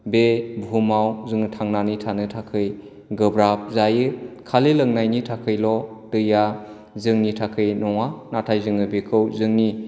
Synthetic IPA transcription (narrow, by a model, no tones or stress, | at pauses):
bebɦumawzɯŋɯtʰaŋnanitʰanɯtʰakʰɯj | ɡɯbɾap̚zajɯkʰalilɯŋnajnitʰakʰɯjlɔtɯja | zɯŋnitʰakʰɯjnɔŋanatʰajzɯŋɯbekʰɯwzɯŋni